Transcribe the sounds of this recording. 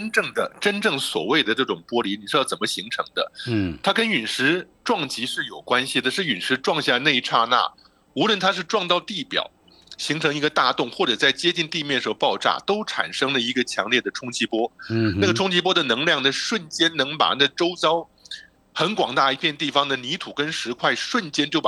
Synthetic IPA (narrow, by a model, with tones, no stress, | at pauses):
nʈ͡ʂɤ˥˩ŋd̪ə˩ʈ͡ʂə˥nʈ͡ʂɤ˥˩ŋswɔ̰˨˩we˥˩ɪd̪ə˩ʈ͡ʂɤ˥˩ʈ͡ʂʊ˨˩ŋpwɔ˥li˧˥ni˨˩ɻ̩˥˧jt͡sə˨˩mə˦ɕi˧˥ŋʈ͡ʂʰɤ̰˧˥ŋd̪ə̰˧t̪ʰa˥kə˥ny˨˩nʂɻ̩˧˥ | ʈ͡ʂwɑ˥˩ŋt͡ɕi˧˥ʂɻ̩˥˩jo˨˩ʊkwa˥nɕi˨˩d̪ə˩ʂɻ̩˥˩y˨˩ʂɻ̩˧˥ʈ͡ʂwɑ˥˧ŋɕja˥˧ne˥˧ɪʈ͡ʂʰa˥˧na̰˥˩ | u˧˥lwə˥˧nt̪ʰa˥ʂ̬ɻ̩˥˧ʈ͡ʂwɑ˥˧ŋt̪ɑ˥˧ʊt̪i˥˩pjɑ̰˨˩˦ʊ | ɕi˧˥ŋʈ͡ʂʰɤ˧˥ŋi˧˥ɡə˧t̪a˥˧t̪ʊ˥˧ŋxwɔ˥˩ʈ͡ʂɤ˨˩t͡sa˥˩ɪt͡ɕjɛ˥t͡ɕi˥˧nt̪i˥˧mjɛ˥˩nʂɤ˥ʊpɑ˥˧ʊʈ͡ʂa̰˥˩t̪o˥ʊʈ͡ʂʰa̰˨˩nʂɤ˥ŋlə˨i˧˥ɡə˧t͡ɕʰjɑ̰˧˥ŋljɛ˥˩d̪ə˩ʈ͡ʂʰʊ˥ŋt͡ɕʰi˥pwɔ˥na˥˩ɡə˩ʈ͡ʂʰʊ˥ŋt͡ɕʰi˧˥pwɔ˥d̪ə˨nɤ˧˥ŋljɑ˥˩ŋd̪ə˧ʂwə˥˩nt͡ɕjɛ˥nnɤ˧˥ŋpa̰˨˩na˥˩ʈ͡ʂo˥ʊt͡ɕɑ˥ʊ | xə˧˥nkwɑ˨˩ŋt̪a˥˩i˧˥pʰjɛ˥˧nt̪i˥˩fɑ˩ŋd̪ə˨ni˧˥t̪ʰu˨˩kə˥nʂɻ̩˧˥kʰwa˥˩ɪʂwə˥˩nt͡ɕjɛ˥nt͡ɕjo˥˩ʊp